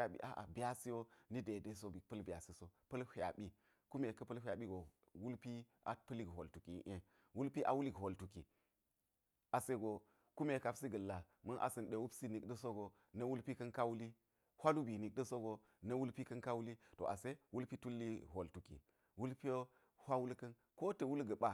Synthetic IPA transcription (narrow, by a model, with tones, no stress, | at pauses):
a˨ɓḭ˦ʔa̰˨˦ʔa̰˨bi˨a˦si˦jo˦ni˦de˨de˦so˦bi˨pɐ˦lbi˨a˨si˦so˦pɐ˦lhʷa̰˨ɓi˦ | ku˦me˨kɐ˦pɐ˦lhʲʷa˨ɓi˦ɡo˨ | wu˦lpi˦ʔa̰˨pɐ˦li˦kɦo̰˨ltu˨kḭ˨˦ʔe˦ | wu˦lpi˦ʔa̰˨wu˦li˦kɦo˨ltu˨kḭ˨ | a˨se˦ɡo˨ | ku˦me˨ka˨psi˦ɡɐ˨lːa˨ | mɐ˦nʔa̰˨sɐ˨nɗe˨wu˦psi˦ni˨kdɐ˦so˦ɡo˨ | nɐ˦wu˦lpi˦kɐ˦nka˦wu˦li˦ | hʷa˦lu˦bi˨ni˨k̚dɐ˦so˦ɡo˨ | nɐ˦wu˦lpi˦kɐ˦nka˦wu˦li˦to̰˨ʔa˨se˦wu˦lpi˦tu˦lːi˦ɦo˨ltu˨kḭ˨ | wu˦lpi˦jo˦ | hʷa˦wu˦lkɐ˦n | ko˦tɐ˨wu˦lɡɐ˨ɓa˦